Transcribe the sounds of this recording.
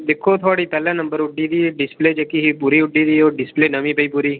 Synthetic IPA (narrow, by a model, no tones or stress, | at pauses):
d̪ɪkʰːoːt̪ʰʊaːɽiːpɛːlãːnəmbəɾʊɖiːd̪iːɖɪspleːd͡ʒekiɦipuːɾiːʊɖiːd̪iːoːɖɪspleːnəʋĩːpəiːpuːɾiː